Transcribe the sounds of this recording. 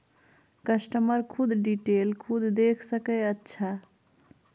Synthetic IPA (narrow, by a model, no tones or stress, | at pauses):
kəsʈəməɾkʰud̪ɖiʈelkʰud̪ʱd̪ekʰsəkɛətːʃʰa